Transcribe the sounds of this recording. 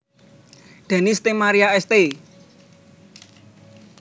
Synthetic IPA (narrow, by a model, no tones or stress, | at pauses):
d̪̥a̤nist̪emaɾiaɛst̪e